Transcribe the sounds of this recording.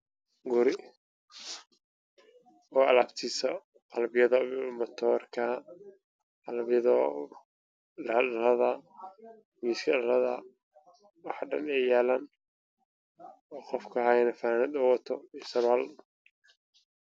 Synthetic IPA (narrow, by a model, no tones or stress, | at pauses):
ɡʊɾɪ | ɔːɐlaːbt̪ʰiːsɐ | qɑlbɪjɐðɐmɔt̪ʰɔːrkʰɐ | qɑlbɪjɐðɔ | ɖɐɗɐlɐðɐ | miːskʰɐɗɐlɐðɐ̰ | wɑħɖɐ̰nɛjaːlɐn | ɔːqɔfkʰɐɦajnɐfaanɪd̪ɔwɐt̪ʰɔisɐβal